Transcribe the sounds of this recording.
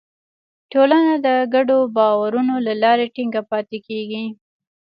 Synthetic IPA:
ʈolanad̪əɡaɖobɑwaɾunolalɑɾeʈiŋɡapɑt̪ekeɡi

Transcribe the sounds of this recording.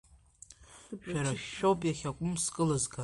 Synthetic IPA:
ʃᶣaɾaʃːowpʼjaχʲakʷʼʊmskʼɨlɨzɡa

